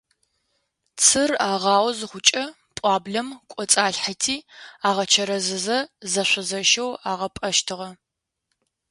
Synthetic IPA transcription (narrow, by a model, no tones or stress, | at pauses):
t͡sʰɨraːʁɑːwzɨχʷʊt͡ʃʼɐ | pʷʼɑːbɮɐmkʷʼɔt͡sʼaːɬħatʰiːaːʁɐt͡ʃʰɐɾɐzɨzɐzɐɕʷɐzɐʃɐwaːʁɐpʼɐʃtʰɨʁɐ